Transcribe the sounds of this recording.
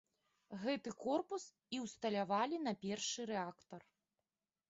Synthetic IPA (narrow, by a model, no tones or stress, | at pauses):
ɣɛt̪ɨkɔrpus | iwst̪ɐlʲavalʲin̪ɐpʲɛrʂɨɾɛakt̪ɐr